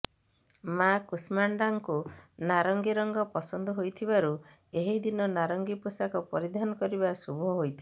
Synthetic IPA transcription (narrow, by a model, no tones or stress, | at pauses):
makusmaɳɖaŋkunaɾɔŋɡiɾɔŋɡɔpɔsɔnd̪ʱɔɦojt̪ʰibaɾu | eɦid̪inɔnaɾɔŋɡipusakɔpɔɾid̪ʱanɔkɔɾibasubʱɔɦojt̪ʰi